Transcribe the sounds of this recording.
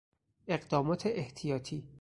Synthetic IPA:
e̞ɢd̪ɒːmɒːt̪ʰeʔeht̪ʰijɒːt̪ʰiː

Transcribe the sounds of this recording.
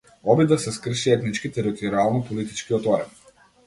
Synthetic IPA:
ɔbid̪asɛskr̩ʃiɛt̪nit͡ʃkit̪ɛɾit̪ʰɔɾialˠnɔpɔlit̪i̥t͡ʃkiɔt̪ɔɾɛ̰n

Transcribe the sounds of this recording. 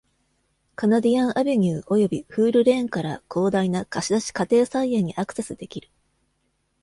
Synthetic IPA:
kanad̪ʲijãɰ̃ʔabe̞ɲ̟ʲɯːʔo̞jo̞bʲiɸɯːɾɯ̟ɾẽ̞ŋkaɾakʰo̞ːd̪ainakaɕid̪aɕi̥kat̪e̞ːsaiẽɲ̟iʔakɯ̟̥se̞sɨd̪e̞kʲiɾɯ̟

